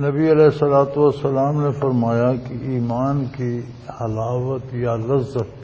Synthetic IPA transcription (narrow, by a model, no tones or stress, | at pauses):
nɐbiɐlɛːɪsɐlaːt̪uʋɐsːɐlaːmnefɐɾmaːjakiiːmaːnki | hɐlaːʋət̪jalɐzːət̪̚